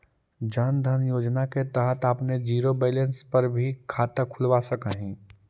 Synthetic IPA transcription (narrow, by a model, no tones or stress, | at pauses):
d͡ʒənd̪ʱənjoːd͡ʒnaket̪əɦət̪əpned͡ʒiːɾobeːlẽnspɐɾbʱikʰaːt̪əkʰʊlʋasəkəɦĩː